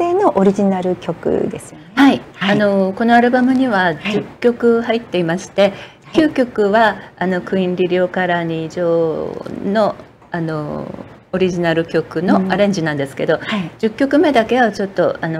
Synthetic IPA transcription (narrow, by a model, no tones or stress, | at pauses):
eːno̞ʔoɾʲiʑinaɾɯ̟kʲo̞kɯ̟̰d̪e̞sɨjohaiano̞ko̞no̞aɾɯ̟bamɯ̟ɲ̟iβad͡ʑɨkʲːo̞kɯ̟hait̪ːe̞imaɕi̥t̪e̞ | kʲɨːkʲo̞kɯ̟βaːno̞kɯ̟ĩnɾʲiɾʲo̞ːkaɾaɲ̟iʑo̞ːno̞ | ano̞ː | ɾʲiʑinaɾɯ̟kʲo̞kɯ̟no̞aɾẽ̞ɲ̟d͡ʑinãnd̪e̞sɨ̥ke̞d̪o̞id͡ʑɨkʲːo̞kɯ̟me̞d̪ake̞βat͡ɕo̞t̪ːo̞ano